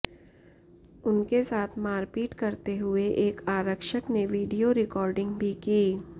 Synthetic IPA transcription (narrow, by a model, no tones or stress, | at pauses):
ʊnkesaːt̪ʰmaːɾpiːʈkɐɾt̪eɦʊeʔeːkaːɾəkʃəkneʋiːɖijoɾɪkɔːɾɖɪ̃ŋɡbʱikiː